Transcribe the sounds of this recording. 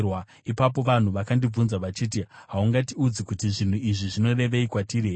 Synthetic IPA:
wa | ipap̬o̞ʋan̤uʋakandib͡vunzaʋat͡ʃiːt̬iɦauŋɡatiud͡zikutiʐin̤uiʐiʐino̞re̞ʋe̞ikwatireː

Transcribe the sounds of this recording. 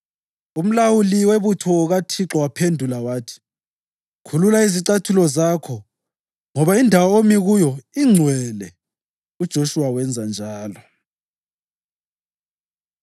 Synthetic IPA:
um̩lawuliweβutʰɔɣatʰiǁɔwapʰendʱulawaːtʰi̥ | kʰululaiziǁatʰulɔzaːkʰɔ | ŋɔβaindʱawaomiɣujɔiŋ͡ǀʱwɛlɛ | ud̥ʒ̥ʱoʃuwawɛnd͡zʱand͡ʒʱaːlɔ

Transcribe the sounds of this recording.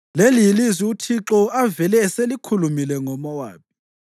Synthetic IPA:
leliilizwiutʰiǁɔavɛlɛːselikʰulumilɛŋɔmɔwa̰ːpʰi

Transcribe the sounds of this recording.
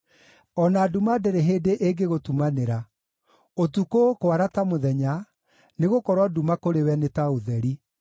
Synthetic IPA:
ɔnaːdumadeɾeɦeːdeʔeɡeɣotumaneɾa | otukokwaɾatamoðɛɲa | neɣokɔɾwadumakoɾewɛnetaoðɛɾi

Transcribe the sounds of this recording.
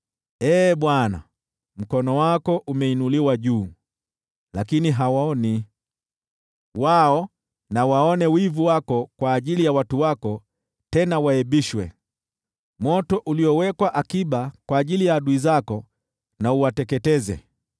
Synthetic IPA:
ɛːɓwana̰ | m̩kɔnɔwakɔʔumɛinuliwaʄuː | lakiniɦawaɔni | waɔ | nawaɔnɛwivuwakɔkwaːʄilijawatuwakɔ | tɛnawaɛɓiʃwɛ̰ | mɔtɔʔuliɔwɛkwaʔakiɓakwaːʄilijaːɗuizakɔ | nauwatɛkɛtɛzɛ̰

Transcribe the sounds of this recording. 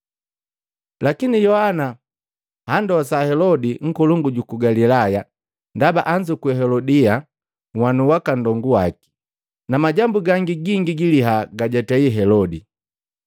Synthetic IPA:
lakinijɔhana | handɔasahɛlɔdiŋ̩kɔluŋɡuɟukuɡalilaja | ndabaʔaɲd͡ʒukwɛɦɛlɔdia | ŋwanuwakandɔŋɡuwaki̥ | namaɟambuɡaŋɡiɡiŋɡiɡiliɦaɡaɟataiɦɛlɔdi

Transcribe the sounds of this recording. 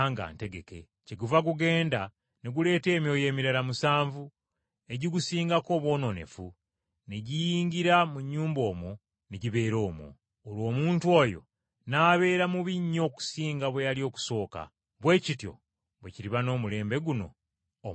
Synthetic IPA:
ŋɡa̰ːnte̞ɡe̞ke̞ | ceɡuvaɡuɡe̞ːnda | neɡule̞ːte̞ːmjo̞ːje̞ːmiɾalamusaːɱvu | e̞ɟiɡusiːŋɡako̞ːβwo̞ːno̞ne̞̰fu | neɟijiːɲɡiɾamuɲːuːmbo̞ːmwo | neɟiβe̞ːɾo̞ːmwo̰ː | lwo̞ːmuːntwo̞jo̞̰ | naːβe̞ːɾamuβiɲːo̞ːku̥siːŋɡaβwe̞jalio̞ːku̥so̞ːka̰ | βwe̞ːcitjo̞̰ | βweciɾiβano̞ːmule̞ːmbe̞ɡuno̞̰ː

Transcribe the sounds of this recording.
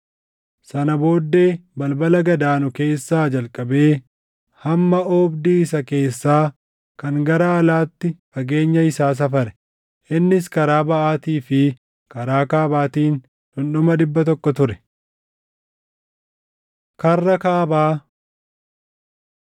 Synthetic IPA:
sɐnɐbo̞ːd̪ːe̞ːbɐlbɐlɐɡɐd̪aːnʊke̞ːsːaːd͡ʒɐlkʼɐbe̞ː | hɐmːɐɔːbd̪iːɪs̬ɐke̞ːsːaː | kɐŋɡɐɾaɐlaːt̪ːɪfɐɡe̞ːɲːɐɪsaːs̬ɐfɐɾɛ̥ | ʔɪnːɪs̬kɐɾaːbɐʔaːt̪iːfɪ | kɐɾaːkaːbaːt̪iːn | ᶑʊnɗʊmɐᶑɪbːɐt̪ɔkːɔt̪ʊɾɛ̥ | kɐrːɐkaːbaː

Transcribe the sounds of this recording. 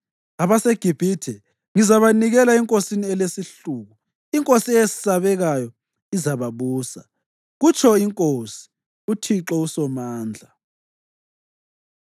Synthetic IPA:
aβaseɡ̥ʱib̥ʱitʰɛ | ŋizaβaniɣɛlaɛŋkʼosiniɛlesiɬuɣu | iŋkʼosiesi̥saβɛɣajɔ | izaβaβuːsa | ɣut͡ʃʰɔiŋkʼosi̥ | utʰiǁɔusɔmaːnd͡ɮʱa

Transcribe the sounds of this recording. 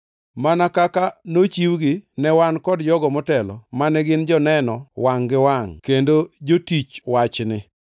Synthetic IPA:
manakakanot͡ʃiwɡɪnɛwankɔdd͡ʒɔɡɔmɔtɛlɔ̰manɛɡɪnd͡ʒɔnɛnɔwaŋɡɪwaŋkendod͡ʒotit͡ʃwat͡ʃnɪ

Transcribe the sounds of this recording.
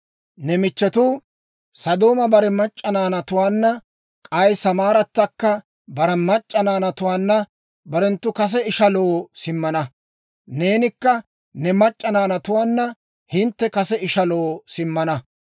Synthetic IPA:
nɛmɪt͡ʃːɛt̪ʊ | sɐd̪o̞ːmɐbɐɾɛmɐt͡ʃʼːɐnaːnɐt̪ʊwaːnːɐ | kʼɐjsɐmaːɾɐt̪ːɐkːɐ | bɐɾɛmɐt͡ʃʼːɐnaːnɐt̪ʊwaːnːɐ | bɐɾɛnt̪ːʊkɐs̬ɛɪʃɐlo̞ːsɪmːɐnɐ | ne̞ːnɪkːɐ | nɛmɐt͡ʃʼːɐnaːnɐt̪ʊwaːnːɐ | hɪnt̪ːɛkɐsɛɪʃɐlo̞ːsɪmːɐnɐ

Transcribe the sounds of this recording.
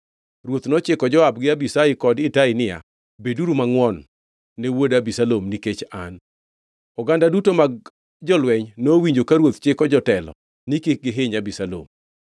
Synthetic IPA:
rwot̪nɔt͡ʃɪkɔd͡ʒɔab̚ɡɪabisaɪkɔdɪtaɪnɪja̰ | beduɾumaŋwɔnː | ewodabisalomniket͡ʃa̰n | ɔɡandadutomaɡ | d͡ʒɔlwɛɲnowiɲd͡ʒokaɾwot̪t͡ʃɪkɔd͡ʒɔtɛlɔ̰ | nikek̚ɡɪɦeɲabisalo̰m

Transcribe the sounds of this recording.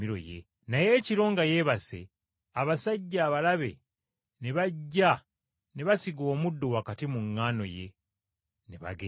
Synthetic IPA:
iɾo̞̰jḛ | naje̞ːciɾo̞ːŋɡaje̞βase̞̰ | aβasaɟːaːβalaβe̞̰ | neβaɟːa | ne̞βasiɡo̞ːmudːo̞wakatimuŋːaːno̞̰je̞̰ | neβa̰ɡe

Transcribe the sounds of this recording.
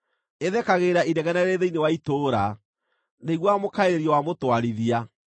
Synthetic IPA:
eðɛkaɣeːɾaʔidɛɣɛnɛɾeðeinewaitoːɾa | neɣwamokaeɾeɾiɔwamotwaɾiðia

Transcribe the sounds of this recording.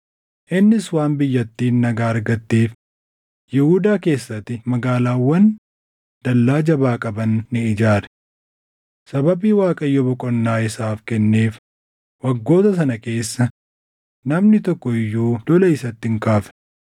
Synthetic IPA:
ʔɪnːɪswaːnbɪjːɐt̪ːiːnːɐɡaːɐɾɡɐt̪ːeːf | jɛhud̪aːke̞ːsːɐt̪ːɪmɐɡaːlaːwːɐn | dd̪̥ɐlːaːd͡ʒɐbaːkʼɐbɐnːɪɪd͡ʒaːɾɛ̥ | sɐbɐbiːwaːkʼɐjːɔbɔkʼɔnːaːɪsaːfkɛnːe̞ːf | wɐɡːo̞ːt̪ɐsɐnɐke̞ːsːɐ | nɐmnɪt̪ɔkːɔɪjːuːd̪ɔlɐɪsɐt̪ːɪŋkaːf

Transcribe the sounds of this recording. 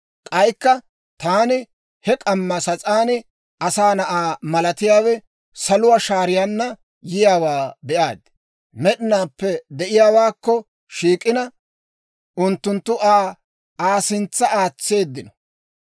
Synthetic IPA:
kʼɐjkːɐ | t̪aːnɪ | hɛkʼɐmːɐsɐt͡sʼaːnɪ | ʔɐsaːnɐʔaːmɐlɐt̪ɪjaːwɛ | sɐlʊwaːʃaːɾɪjanːɐ | jɪjaːwaːbɛʔaːd̪ɪ̥ | mɛɗɪnaːpːɛd̪ɛʔɪjaːwaːkːɔ | ʃiːkʼɪnɐ | ʊnt̪ːʊnt̪ːʊʔaː | aːsɪnt͡sːɐaːt͡sːe̞ːd̪ːɪnɔ

